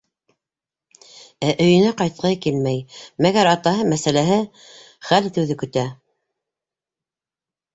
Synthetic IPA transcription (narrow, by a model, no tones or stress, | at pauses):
æʔɵ̆jɘ̆næqɑjt̪̚qɑjkilmæjmæɡæɾɑt̪ɑɦɤmæsælæɦɘ | χælt̪ɘ̆wðɘkɵ̆t̪æ